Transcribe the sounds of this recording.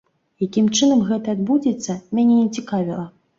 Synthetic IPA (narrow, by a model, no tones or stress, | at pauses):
jakʲimt͡ʂɨnɐmɣɛt̪ɐːd̪̚bud͡zʲɛt̪sːɐmʲanʲɛnʲɛt͡sʲikavʲilˠɐ